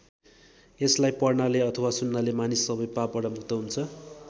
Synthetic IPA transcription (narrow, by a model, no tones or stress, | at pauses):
eslajpʌrnaleʌt̪ʰʌwasunːalemanisːʌbʌjpapbʌɽʌmuk̚t̪ʌɦunt͡sʰʌ